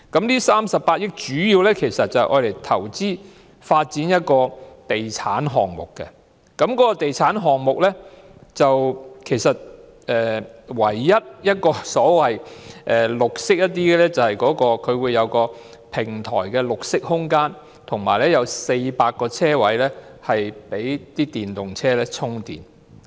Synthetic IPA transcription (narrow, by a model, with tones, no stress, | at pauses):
kɐ˨˥mliː˥saː˥msɐ˨pːaː˧t̚jɪ˥k̚t͡ʃyː˨˥jiː˧wlɛː˥kʰe˨˩jsɐ˨t̚t͡sɐ˨hɛ˨jʔɔ̰ː˨˧le˨˩jt̪ʰɐ̰˨˩wt͡siː˥ | faː˧t̚t͡si˨˥njɐ˥t̚kɔː˧t̪e˨jt͡sʰaː˨˥nɦɔː˨˩ŋmʊ̰˨˩kːɛ̰˧ | kɐ˨˥mkɔː˨˥kɔ˧t̪e˨jt͡sʰaː˨˥nɦɔː˨ŋmʊ˨k̚lɛː˥t͡sɐ˨wkʰe˨˩jsɐ˨t̚ | ʔɛː˨wɐ˨˩jːɐ˥t̚jɐ˥t̚kɔː˧sɔː˨˥wɐ˨jʔɛː˨lʊ˨k̚sɪ˥k̚jɐ˥t̪̚ːiː˥ɡɛ˨lɛ˥t͡sɐ˨˩whɐ˨jkɔː˨˥kɔː˧kʰɵ˨˧ɥwuː˨˧jɐ˨˧wkɔː˧ | pʰɪ˨˩ŋt̪ʰɔ̰ː˨˩jkɛː˧lʊ˨k̚sɪ˥k̚hʊ˥ŋkaː˥n | t̪ʰʊ˨˩ŋma̰ː˨˩jlɛ˥jɐ˨˧wse˧jpaː˧k̚kːɔː˧t͡sʰɛː˥wɐ˨˥jlɛː˥hɐ˨jpe˨˥jt̪iː˥t̪iː˨nt̪ʊ˨˩ŋt͡sʰɛː˥lɛː˥t͡sʰʊ˥ŋt̪ḭː˨˩n